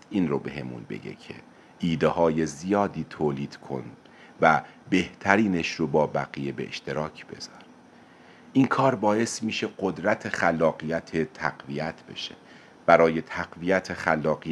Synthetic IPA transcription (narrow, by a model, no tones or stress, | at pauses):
ʔiːnrobe̞̰he̞mṵnbe̞̰ɡe̞̰cʰe̞̰ | ʔiːd̪ehɒːje̞zijɒːd̪iːt̪ʰoːliːd̪̥kʰo̞̰n | væ | be̞ht̪ʰæɾiːne̞ʃɾobɒːbæɣije̞bḛʔḛʃt̪e̞ɾɒːcʰb̥e̞̰zɒːɾ | ʔiːnkʰɒːɾbɒːje̞st̪miːʃe̞ɢod̪ɾæt̪ʰe̞xælːɒːɣijæt̪ʰet̪ʰæɢvijæt̪ʰbe̞̰ʃe̥̰ | b̥æɾɒːje̞t̪ʰæɢvijæt̪ʰexælːɒːɣi